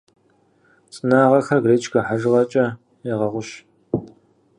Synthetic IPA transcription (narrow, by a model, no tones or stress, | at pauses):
t͡sʼɨnaːʁɐxɐrɡreːt͡ʃʰɡɐħaʒɨʁɐt͡ʃʼɐ | eʁɐʁʷʊʃ